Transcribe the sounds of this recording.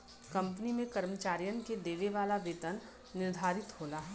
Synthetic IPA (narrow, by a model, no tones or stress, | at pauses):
kɐ̃mpənimẽkɐɾmət͡ʃaːɾijənked̪eːʋeʋaːlaʋeːt̪ənː | ɪɾd̪ʱaːɾɪt̪ɦoːnaɦɛ